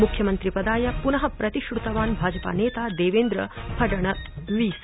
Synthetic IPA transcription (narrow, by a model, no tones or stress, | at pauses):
mukʰjɐmɐnt̪ɾipɐd̪aːjɐpunɐɦɐpɾɐt̪iʂɾut̪ɐʋaːnbʱaːd͡ʒɐpa̰ːneːt̪ad̪eːʋeːnd̪ɾɐ̰pʰɐɖɐɳ̃ɐt̪ʋiːs